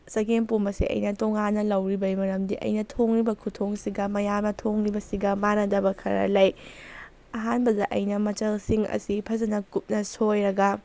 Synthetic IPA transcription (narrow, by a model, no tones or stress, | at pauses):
sɐɡenpumɐsḭʔɐ̰jnɐtoŋanːɐlɐwɾibɐjmɐɾɐmdiʔɐ̰jnɐtʰoŋɾibɐkʰutʰoŋsiɡɐmɐjamnɐtʰoŋɾibɐsiɡɐmanɐdɐbɐkʰɐɾɐ̰lɐj | ɐɦanbɐdɐʔɐjnɐmɐt͡ʃɐlsiŋɐ̰sipʰɐzɐnɐkup̚nɐsojɾɐɡɐ